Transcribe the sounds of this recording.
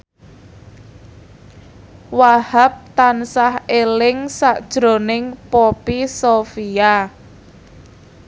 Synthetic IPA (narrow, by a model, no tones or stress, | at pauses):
wahap̚t̪ansahelɪŋsaʔd̥ʒ̥ɾo̤nɪŋpɔpisofia